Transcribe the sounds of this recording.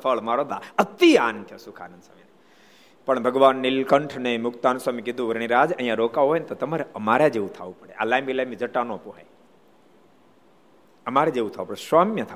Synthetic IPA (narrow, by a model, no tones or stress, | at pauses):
fʰəɭmaɾod̪aət̪iaːnt̪ʰjosukʰa̰ːnənsa̰mine | pəɳbʱəɡʋaːnːilkəɳʈʰnemʊkt̪aːnsamikid̪ʱũʋəɾɳ̃iɾad͡ʒə̃ɦj̃ãɾokaɦojnet̪ot̪əmaɾeəmaɾad͡ʒeʋũt̪ʰa̰ʋũpəɽeʔalajmbilamid͡ʒəʈanõpuɦa̰j | əmaɾed͡ʒeʋũt̪ʰaʋupəɽesʋaːmjət̪ʰa